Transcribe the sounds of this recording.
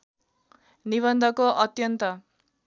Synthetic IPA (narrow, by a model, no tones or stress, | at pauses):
niβʌnd̪ʱʌkoʔʌt̪jʌnt̪ʌ